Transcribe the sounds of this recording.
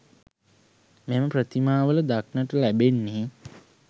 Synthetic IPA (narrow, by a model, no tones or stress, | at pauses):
meməprət̪imaːʋələd̪ak̚nəʈəlæbenːe